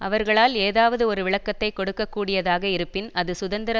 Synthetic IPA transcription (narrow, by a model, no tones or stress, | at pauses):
ɐʋɐɾɣɐɭaːleːðaːʋɐðɯɔɾɯʋɪɭɐkːɐt̪ːɐɪkːɔɽɯkːɐkːuːɽɪjɐðaːɣɐɪɾɯpːɪnɐðɯsʊðɐnd̪ɪɾɐ